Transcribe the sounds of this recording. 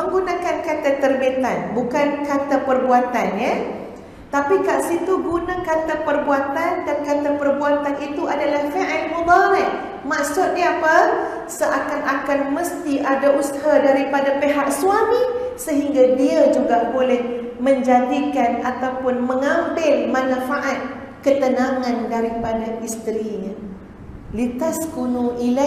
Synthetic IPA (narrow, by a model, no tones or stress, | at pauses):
məŋɡunakankat̪at̪ərbet̪a̰nbukankat̪apərbuat̪anja | t̪apikaʔsit̪uɡunakat̪apərbuat̪andankat̪apərbuat̪anʔit̪uʔadalahfeʔamobaɾat̪ | maʔsʊt̪̚ɲaapa | səʔakanʔakanməst̪iʔadaʔusaɦadaɾipadapeɦaʔ̚suamisəɦiŋɡadiad͡ʒuɡabolɛh | məɲd͡ʒad̪ikanat̪awpʊnməŋambɪlmãnãfaʔat̪̚ | kət̪ənaŋãndaɾipadaʔist̪ɾiɲã | lit̪askunũʔila